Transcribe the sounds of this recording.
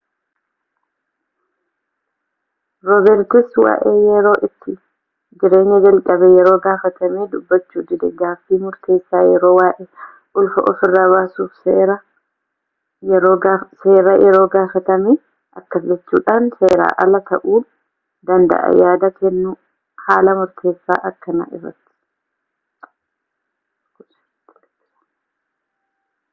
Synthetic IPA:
ɾɔbɛɾt̪ɪswa̰ːʔejɛɾo̞ːʔɪt̪ːɪ | d͡ʒɪɾe̞ːɲːɐd͡ʒɐlkʼɐbɛjɛɾo̞ːɡaːfɐt̪ɐmiːd̪ʊbːɐt͡ʃːuːd̪ɪd̪ɛ̰ɡaːfːiːmʊɾt̪ʰe̞ːsːaːjɛɾo̞ːwaːʔɛ | ʔʊlfɐʔɔfɪrːaβaːsuːfseːɾɐ | jɛɾoːseːɾajɛɾo̞ːɡaːfɐt̪ɐmeː | ʔɐkːɐd͡ʒɛt͡ʃːṵːᶑaːnse̞ːɾa̰ːʔɐlɐt̪ɐʔuː | d̪ɐnd̪ɐ̰ʔɐ̰jaːd̪ɐkɛnːu | haːlɐmʊɾt̪ʰe̞ːsːa̰ːʔɐkːɐnɐ̰ʔɪ̰rːɐ̰t̪ːɪ̥

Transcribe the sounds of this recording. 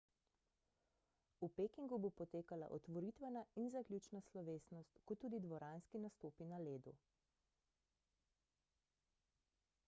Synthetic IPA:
upekiŋɡubopɔt̪eːkala̰ʔɔt̪ʋɔɾit̪ʋɛnainzaklʲuːt͡ʃnaslɔʋeːsnɔst̪kɔt̪uːd̪id̪ʋɔɾaːnskinast̪oːpinaleːd̪ṵ

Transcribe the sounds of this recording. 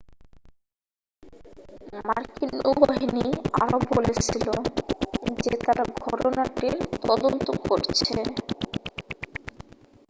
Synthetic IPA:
maɾkinubaɦiniaɾobolet͡ɕʰilo | d͡ʑet̪aɾɡʱɔʈonaʈiɾt̪ɔd̪ont̪okoɾt͡ɕʰe

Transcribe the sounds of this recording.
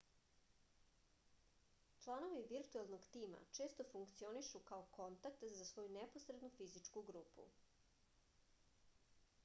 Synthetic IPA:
t͡ʃlˠano̞ʋiʋiɾt̪uelˠno̞ɡt̪iːma̰t͡ʃe̞ːst̪o̞fuŋkt̪sio̞niʃukaoko̞nt̪ak̚t̪zasʋo̞junepo̞sɾed̪nufizit͡ʂkuɡɾuːpṵ

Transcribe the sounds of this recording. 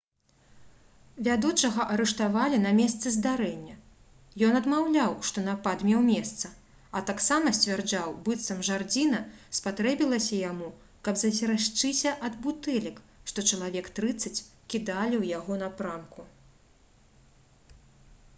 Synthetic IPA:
vʲad̪ut͡ʂɐɣɐʔɐɾɛʂt̪avalʲinɐmʲɛst̪sɨzd̪aɾɛnʲːɐ | jɔnɐd̪mawlʲawʂt̪ɔnapad̪mʲɛwmʲɛst̪sɐ | ɐt̪aksamɐsʲt͡sʲvʲard͡ʐawbɨt̪sɐmʐard͡zʲinɐspat̪ɾɛbʲilˠɐsʲɐjamu | kɐbzɐsʲɛɾaʂt͡ʂɨsʲɐʔɐd̪but̪ɛlʲik | ʂt̪ɔt͡ʂɐlˠavʲɛkt̪ɾɨt̪sːɐt͡sʲkʲid̪alʲiwjaɣɔnɐpɾamku

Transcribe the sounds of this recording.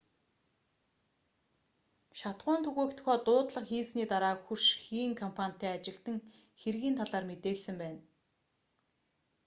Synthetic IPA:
ʃat̪ɢʊːnt̪ʰɵɣeːkt̪̆xɔːt̪ʊːt̪ɮə̆χxiːsniːt̪aɾaːxurʃxiːŋkʰɔmpʰanʲt̪ʰːæːat͡ɕɪ̆ɬt̪ɘ̆ŋ | xerɣiːnt̪ʰaɮaːrmet̪eːɮsɘ̆mpæːn

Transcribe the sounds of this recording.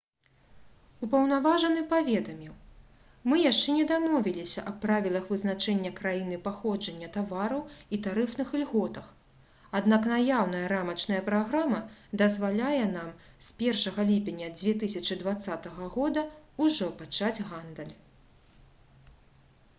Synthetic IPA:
upɐwnavaʐɐnɨpavʲɛd̪ɐmʲiw | mɨjaʂt͡ʂɛnʲɛd̪amɔvʲilʲisʲɐ̰ʔɐpːɾavʲilˠɐxvɨzn̪at͡ʂɛnʲːɐkɾajin̪ɨpaxɔd͡ʐɐnʲːɐt̪avaɾɐwit̪aɾɨfnɨxɨlʲɣɔt̪ɐx | ad̪naknajawnɐjɐɾamɐt͡ʂnɐjɐpɾaɣɾamɐd̪ɐzvalʲajɛn̪am | spʲɛrʂɐɣɐlʲipʲenʲːɐd͡zʲvʲɛt̪̬ɨsʲɐt͡ʂɨd̪vat̪sːat̪ɐɣɐɣɔd̪ɐuʐɔpat͡ʂad͡zʲɣand̪ɐlʲ

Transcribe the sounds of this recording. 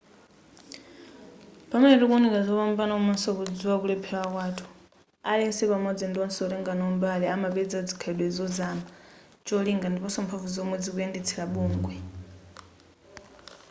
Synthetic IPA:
pamɛnɛɾɛkunikazɔpambanaumasɔkud͡ziwakulɛpʰɛwakwaːtʰu̥ | alɛɛnsɛpamɔd͡zindiɔnsɛɔlɛŋɡanɔɔmbalɛamaɓɛd͡zad͡zikʰaɛɗwɛzɔzama | t͡ʃɔliŋɡandipɔsɔmpʰavuzɔmwɛd͡zikuɛndɛt͡sʰɛlaɓuːŋɡwɛ

